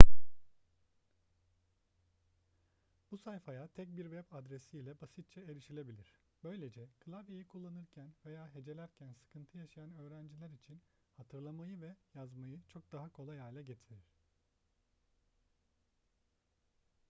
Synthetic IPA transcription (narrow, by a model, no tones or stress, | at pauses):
b̥usajfajat̪ʰɛc̚biɾvɛpad̪ɾesiːlʲɛbasit̪̚t͡ʃʰɛeɾiʃilʲe̞bilʲiɾ̥ | b̥ø̞jlʲe̞d͡ʒɛkʰɯlˠavjejikʰulˠːanɯɾcʰænve̞jaːɦe̞d͡ʒe̞lʲæɾcʰænsɯ̥kʰɯnt̪ʰɯjaʃajanø̞ːɾænd͡ʒilʲæɾit͡ʃʰin | hat̪ʰɯɾlˠamajɯvɛjazmajɯt͡ʃʰo̞k̚d̪aɦakʰo̞lˠajajlʲɛɟe̞t̪ʰiɾiɾ̝̥